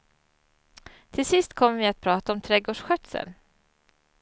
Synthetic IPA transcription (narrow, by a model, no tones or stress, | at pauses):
t̪ʰɪlsɪst̪kʰɔmːəvɪat̪̚pʰɾɑːt̪aɔmt̪ʰɾɛɡoːʂɧœt̪sə̰n